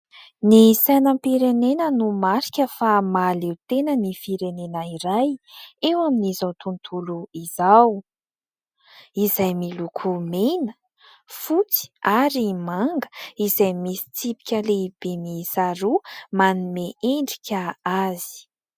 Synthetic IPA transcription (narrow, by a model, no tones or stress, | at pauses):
nisajnəmpiɾenenənumaɾi̥kʲəfamalewt̪enənifiɾenenəiɾajewaminizawt̪unt̪ʰuluizaw | izajmilukʰumenə | fut͡si̥aɾimaŋɡə̥izajmisi̥t͡sipi̥kʲəleb̥emisaɾumanumeʔeɳɖ͡ʐikʲəazi̥